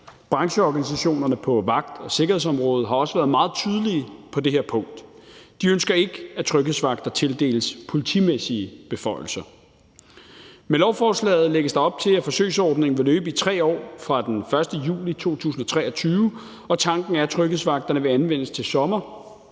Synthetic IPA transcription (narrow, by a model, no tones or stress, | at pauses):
b̥ʁɑ̈ŋɕəɒɡ̥ænis̬æɕo̝̰ːnɐnəpʰɒ̽ʋɑ̈ɡ̥̚d̥ɒ̽se̝ɡ̥ɐhe̝ðˠsɒ̽mʁɔ̽ːð̩ˠɦɑ̈ɒ̽səʋæːɐð̞̩ˠmɑ̈ːð̞̩ˠt͡sʰyð̞ˠəlipʰɒ̽de̝ɦeɐpʰɔ̽ŋ̰d̥d̥iønsɡ̥ɐe̝ɡ̥əæt͡sʰʁœɡ̥ḛsʋɑ̈ɡ̥̚d̥ɐt͡sʰe̝ld̥e̝̰ːləspʰo̝lit͡sʰimesiəb̥e̝fɒ̽ɪ̰l̩sɐ | melɒʊfɒːslɛ̰ːð̩ˠleɡ̥əsd̥ɑ̈ɒ̽b̥̚t͡sʰe̝læfɒ̽sø̰ːsɒːd̥ne̝ŋn̩ʋe̝løːb̥əit͡sʰʁɛ̰ːɒ̰ːfʁɑ̈d̥enfɶɐsd̥əjṵːlit͡sʰo̝̰ːt͡sʰṵːs̬n̩ɒ̽t͡sʰʁɛ̰ːɐt͡sʰyːʋə | ɒ̽t͡sʰɑ̈ŋɡ̥n̩æɐæt͡sʰʁœɡ̥ð̩̰ˠsʋɑ̈ɡ̥̚d̥ɐnəʋe̝ænʋen̰əst͡sʰe̝lsɒ̽mɐ